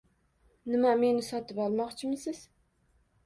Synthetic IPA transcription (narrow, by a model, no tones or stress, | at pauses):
nɪmame̞nɪsɒt̪ɪpɒlˠmɒqt͡ʃʰɪmɪsɪz̥